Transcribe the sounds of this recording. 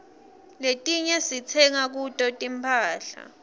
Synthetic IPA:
letʼiɲɛsit͡sʰɛŋak̬utʼɔtʼimpʰʼaːɬa̰

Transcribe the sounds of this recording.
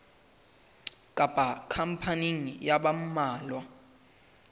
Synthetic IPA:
kʼapʼakʰam̩pʰaniŋijaɓam̩maːlwa

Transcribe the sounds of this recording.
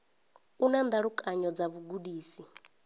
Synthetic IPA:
unand̪aɺukʼaɲɔd͡zaβuɡudiːsi

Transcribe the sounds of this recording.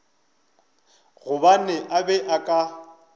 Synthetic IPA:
ɣʊbanɛʔabɛʔakʼa

